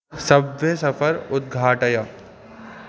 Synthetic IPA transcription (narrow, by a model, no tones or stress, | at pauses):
sɐbʋjəsɐfʰəɾʊd̪̚ɡʱaːʈəj